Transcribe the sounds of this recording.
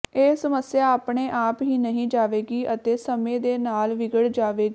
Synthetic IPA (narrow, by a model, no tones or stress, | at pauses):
eːsəməsɪjaːaːpɳeːʔaːpɦĩːnəɦĩːd͡ʒaːʋeːɡiːʔət̪eːsəmẽːd̪eːnaːlʋɪɡəɽd͡ʒaːʋeːɡiː